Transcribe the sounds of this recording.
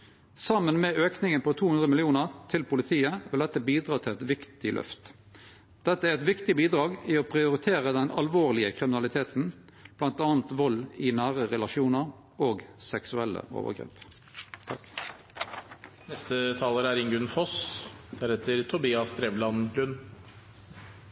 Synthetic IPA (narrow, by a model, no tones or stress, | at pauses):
sɑmːənmɛøːknɪŋənpʰɔt̪ʰuːhʉnd̪ʁəmɪlɪuːnəʁt̪ʰɪlpʰʊlɪt̪ʰiːəʋɪld̪ɛt̪ːəbiːd̪ʁɑːt̪ʰɪlɛt̪ʋɪkt̪ɪlœ̰ft̪ | d̪̥ɛt̪ːəæʁɛt̪ʋɪkt̪ɪbiːd̪ʁɑːɡɪoːpʰʁɪʊɾɪt̪ʰeːʁəd̪ɛnɑlʋoːʁlɪəkʰʁɪmɪnɑlɪt̪ʰeːt̪n̩ | b̥lɑnt̪ɑːnt̪ʋɔlɪnæːʁəʁɛlɑʃuːnəʁ | oːɡsɛksʉɛlːə̰ʔo̰ːʋə̰ɡʁḛːp | t̪ʰɑk | nɛst̪ət̪ʰɑːləɾæɾɪŋɡʉnfɔsd̪̥æɾhɛt̪əɾt̪ʰʊbiːɑst̪ɾɛʋlɑnɾʉn